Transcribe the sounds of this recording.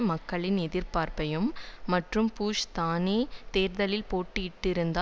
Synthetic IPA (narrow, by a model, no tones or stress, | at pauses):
mɐkːɐɭɪnɛðɪɾpaːɾpɐjɯmːɐʈrɯmpuːʂt̪aːneːt̪eːɾðɐlɪlpoːʈːɯɪʈːɪɾɯnd̪aː